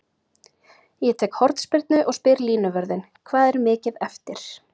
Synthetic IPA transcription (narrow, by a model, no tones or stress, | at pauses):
jɛt̪ʰɛːkhɔɾt̪spɪɾt̪nʏʔɔɣspɪɾliːnʏvœɾðɪn | kʰvaːðɛɾmɪːcɪðɛft̪ɪɾ̥